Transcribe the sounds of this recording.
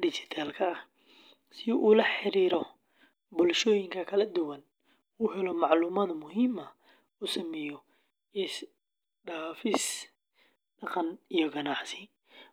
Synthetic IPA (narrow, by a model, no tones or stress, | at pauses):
dɪt͡ʃɪt̪ʰaːlkʰɐːh | sɪʔuːlɐħɪɾiːɾɔ | bʊlʃɔːjɪŋkʰɐkʰɐlɐd̪ʊwɐn | uːɦɛlɔmɑʕluːmɐd̪mʊɦiːmɐ | uːsɐmɛːjɔ | ɪs | ɖaːfɪs | ɖɑqɑnijɔɡɐnɑħsɪ